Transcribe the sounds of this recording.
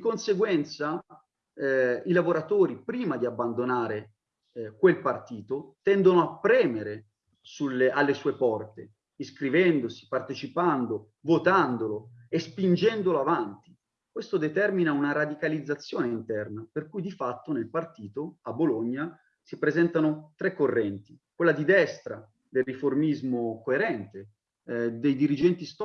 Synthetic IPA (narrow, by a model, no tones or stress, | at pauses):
d̪ikonseɡwɛnt̪sa | ilavoɾat̪oːɾipɾiːmad̪iabːand̪onaːɾe | kwelpart̪iːt̪ot̪ɛnd̪onoapːɾɛːmeɾe | suleʔalːesuːepɔrt̪e | iskɾivɛnd̪osi̥part̪et͡ʃipand̪o | vot̪and̪oloespind͡ʒɛnd̪oloavant̪i | kwest̪od̪et̪ɛrminaunaɾad̪ikalid̪zːat̪sːjoːneint̪ɛrnaperkujd̪ifat̪ːonelpart̪iːt̪oaboloɲːa | sipɾezɛnt̪anot̪ɾekːorːɛnt̪ikwelːad̪id̪ɛst̪ɾa̰ | d̪elriformizmokoeɾɛnt̪e | d̪ejd̪iɾid͡ʒɛnt̪ist̪